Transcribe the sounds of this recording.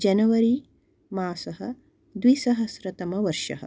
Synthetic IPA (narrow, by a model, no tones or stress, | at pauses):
d͡ʒɐnɐʋɐɾi | maːsɐɦɐ | d̪ʋisɐɦɐsɾɐt̪ɐmɐʋɐɾʃɐ̰ɦɐ̰